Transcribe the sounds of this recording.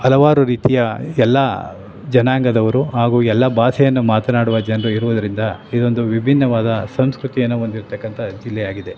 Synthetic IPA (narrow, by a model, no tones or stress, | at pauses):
ɐlɐʋaːɾuɾiːt̪ijɐɛlːɐ | d͡ʒɐnaːŋɡɐd̪ɐʋɐɾuɦaːɡuːɛlːɐbaːsɛjɐnːumaːt̪ɐnaːɽuʋɐd͡ʒɐnɐɾuiɾuʋud̪ɐɾind̪ɐid̪o̞nd̪uʋibʱinːɐʋaːd̪ɐsɐmskɾut̪ijɐnːuond̪iɾt̪ɐkːɐnt̪ʰɐd͡ʒilːɛjaːɡid̪e̞